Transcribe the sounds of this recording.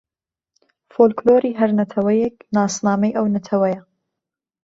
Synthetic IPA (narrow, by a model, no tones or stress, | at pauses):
foːlkloːɾiːɦɐɾnɐt̪ʰɐwɐjɛknɑːsnaːmɐjʔɐwnɐt̪ʰɐwɐjɐ